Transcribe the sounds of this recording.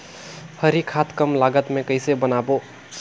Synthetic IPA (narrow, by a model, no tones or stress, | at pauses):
həɾikʰat̪kəmlaɡət̪mẽkəɦɪsebənabo